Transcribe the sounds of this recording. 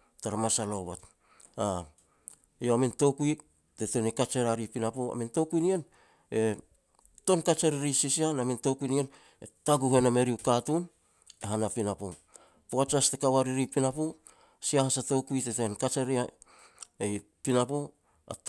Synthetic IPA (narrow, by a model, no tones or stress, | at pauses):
taɾamasaloβat | a | oaminto̞kui | te̞te̞nikat͡ʃeɾaɾipinapoa̰minto̞kujnien | e̞ | to̞nkat͡ʃeɾiɾisisianaminto̞kunien | etaɡuhe̞name̞ɾiukatun | eɦanapinapo | poat͡ʃastekawaɾiɾipinapo | siahasato̞kuitetenkat͡ʃeɾia | ej | pinapo | a̰t